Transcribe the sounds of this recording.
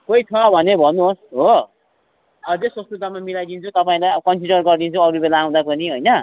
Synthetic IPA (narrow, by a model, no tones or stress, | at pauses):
kojt͡sʰʌbʱʌnebʱʌnuosɦo | ʌd͡zeswʌst̪ut̪amamilajd̪int͡sʰut̪ʌpaĩlajʌkʌnsiɖʌrɡʌrd̪int͡sʰuʌɾubelaːw̃d̪apʌniɦojnʌ